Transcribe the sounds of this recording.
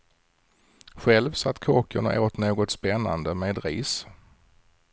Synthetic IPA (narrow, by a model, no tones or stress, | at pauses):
ɧɛlvsat̪ːkʰoːkʊɳa̰ʔoːt̪noːɡɔt̪spɛnːa̰nd̪əmeːd̪ɾḭːs